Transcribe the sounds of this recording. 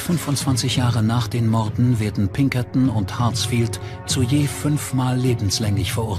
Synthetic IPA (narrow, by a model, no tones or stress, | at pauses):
fʏnfʊntt͡sv̥ant͡sɪçjaːʁənaːχd̥eːnmɔɐdn̩veɐdn̩pʰɪŋkɐtn̩ʊnthasfiːlt | t͡sujeːfʏnfmaːlːeːbm̩slɛŋɪçfɛɐʔʊɐ